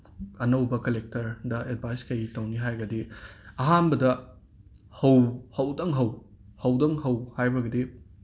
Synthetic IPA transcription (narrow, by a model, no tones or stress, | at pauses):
ɐnɐwbɐkɐlek̚tɐɾdɐʔed̚bʱajskɐjitɐwniɦajɡɐdiɐɦanbɐdɐ | hɐwhɐwdɐŋɦɐw | hɐwdɐŋɦɐwhajbɐɡɐdi